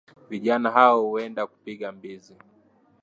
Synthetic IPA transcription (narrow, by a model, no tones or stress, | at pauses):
viʄanaɦaɔhuɛndaku̥piɠambizi